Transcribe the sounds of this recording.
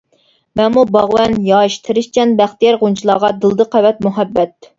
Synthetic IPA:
mɛmːubɑʁwɛnjɑːʃt̪ʰɨɾɨʃt͡ʃʰɛnbæχt̪ijɛɾʁunt͡ʃʰilˠɑːʁɑd̪ɨlˠd̪ɨqʰæwɛt̪̚muɦɛbːɛt̪̚

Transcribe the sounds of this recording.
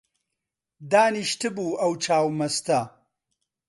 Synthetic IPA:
d̪aːniʃt̪ʰɨbuːɐwt͡ʃʰaːwmɐst̪ɐ

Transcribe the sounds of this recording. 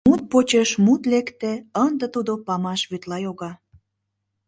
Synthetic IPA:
mut̪̚pot͡ɕeʃmut̪lekt̪ĕənd̪ə̆t̪ud̪opɑmɑʃβyt̪lɑjoɣɑ

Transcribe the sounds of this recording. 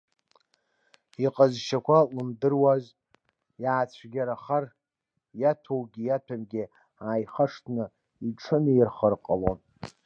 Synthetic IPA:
iqʼazʃakʷʰalɨmdɨrwaz | jaːt͡ɕʷʰɡʲaɾaχar | jatʰowɡʲijatʰamɡʲɪ | aːjχaʂtʰnɨ | iʈ͡ʂʰɨnɨirχərqʼalo̰n

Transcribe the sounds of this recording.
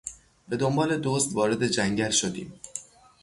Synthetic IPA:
b̥e̞d̪o̞mbɒːle̞d̪ozd̪vɒːɾe̞d̪e̞d͡ʒæŋɟælʃo̞d̪ḭːm

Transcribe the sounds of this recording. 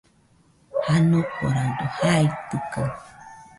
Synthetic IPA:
hanoko̰ɾadohajt̪ukaŋ

